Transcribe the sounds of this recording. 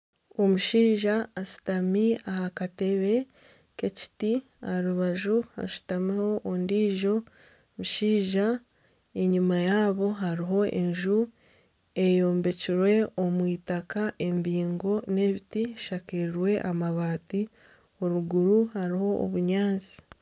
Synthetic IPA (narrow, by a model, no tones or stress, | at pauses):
o̞muʃiːʒaːʃi̥tamiahakate̞βe̞ | ke̞ci̥ti | aɾuβaʒuha̰ʃi̥tamiho̞ʔːndiːʒo̞ | muʃiːʒa | e̞ɲumajaːβo̞ɦaɾiɦo̞ʔe̞ɲʒu | e̞jo̞ːmbe̞ciɾwe̞omwiːtakaʔe̞mbiːŋɡo̞ne̞βitiʃakeɾiɾwe̞ʔamaβaːti | o̞ɾuɡuɾuhaɾiho̞ʔːβuɲaːnzi̥